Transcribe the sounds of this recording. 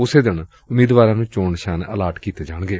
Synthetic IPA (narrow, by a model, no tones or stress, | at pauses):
ʊseːd̪ɪn | ʊmiːd̪ʋaːɾãːnũːt͡ʃoːɳʃaːnəlaːʈkiːt̪eːd͡ʒaːɳ̃ɡeː